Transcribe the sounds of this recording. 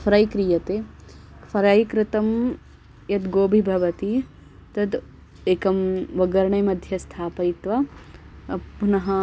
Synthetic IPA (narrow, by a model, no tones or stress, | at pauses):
fʰɐɾɐjkɾijɐt̪eː | fʰɐɾɐjkɾɪt̪ɐm | jɐt̪ɡoːbʱibʱɐʋɐt̪i | t̪ɐd̪ | eːkɐmʋɐɡɐɾɐɳɐjmɐd̪ʱjɐst̪ʰaːpɐjt̪ʋɐ | ɐpunɐɦɐ